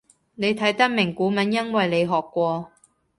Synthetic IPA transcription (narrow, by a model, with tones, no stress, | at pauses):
ne˨˧jt̪ʰɐ˨˥jt̪ɐ˥k̚mɪ˨˩ŋkuː˨˥mɐ˨˥njɐ˥nwɐ˨jle˨˧jɦɔː˨kːʷɔː˧